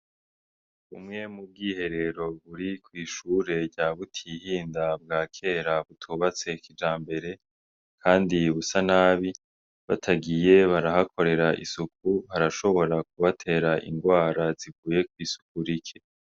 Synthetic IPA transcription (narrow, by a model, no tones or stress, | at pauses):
ṵmŋe̞mub̚ɡiːhe̞ɾe̞ɾo̞βuɾikwiːʃuɾe̞ɾɟaːβutʰihiːndab̚ɡaːkʰe̞ːɾaβutʰuːβat͡se̞kid͡ʒaːmbe̞ɾe̞ | kʰaːndiβusanaːβi | βa̰tʰaɡije̞βaɾahakʰo̞ɾe̞ɾaʔḭsuk̚uhaɾaʃo̞βo̞ɾak̚uβatʰe̞ːɾaʔḭŋɡwaːɾaziɡuːje̞k̚wiːsu̥k̚uɾikʰe